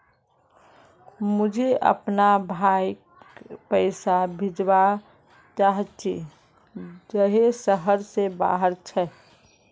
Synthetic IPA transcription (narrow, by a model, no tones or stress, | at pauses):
mʊd͡ʒʱeʔə̰pnabʱajkpəɪsabʱid͡ʒba | t͡ʃaɦət͡ʃḭ | d͡ʒəɦesəɦəɾseba̰ɦəɾt͡ʃʰɛ